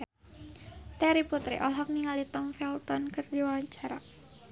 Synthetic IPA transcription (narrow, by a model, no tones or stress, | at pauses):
t̪ɛɾiput̪ɾḭʔɔlɦɔk̚niŋalit̪ɔŋfɛlt̪ɔnkɨrdiwawaɲt͡ʃaɾa